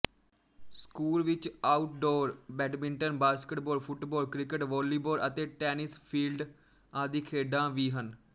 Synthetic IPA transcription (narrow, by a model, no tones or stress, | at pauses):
skuːlʋɪt͡ʃaːʊʈ̚ɖoːɾbɛːɖmɪ̃ɳʈənbaːskəʈbɔːlpʰʊʈbɔːlkɾɪkəʈʋɔːliːboːɾət̪eːʈɛːnɪspʰiːlɖ | ãːd̪iːkʰeːɖãːʋiːɦən